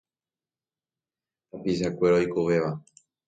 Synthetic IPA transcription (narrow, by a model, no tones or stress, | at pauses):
t̪apis̬akʷe̞ɾojkoʋe̞ʋa